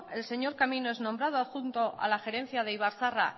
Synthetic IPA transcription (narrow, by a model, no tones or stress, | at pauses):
e̞lse̞ɲo̞ɾkaminoeznõ̞mbɾað̞oaxunt̪o̞ʔa̰laxe̞ɾe̞n̟θjaðe̞iβ̞aɾθara